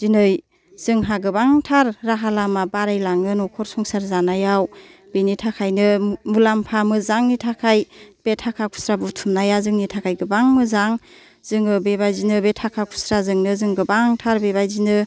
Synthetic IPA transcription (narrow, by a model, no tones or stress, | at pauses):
z̥inɯj | z̥ɯŋɦaɡɯbaŋtʰaɾːaɦalamabaɾajlaŋɯnɔkʰɔɾsɔŋsaɾzanajaw | b̥enitʰakʰajnɯmulampʰamɯzaŋnitʰakʰajb̥etʰakʰakʰu̥sɾabutʰumnajazɯŋnitʰakʰajɡɯbaŋmɯzaŋ | zɯŋɯbebajzinɯbetʰakʰakʰu̥sɾazɯŋnɯzɯŋɡɯbaŋtʰaɾbebajzinɯ